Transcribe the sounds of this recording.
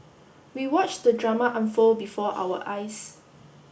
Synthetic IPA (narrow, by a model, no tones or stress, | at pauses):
wiwɔt͡ʃdədɹamaʔãnfolbifɔʔa̰wəʔajs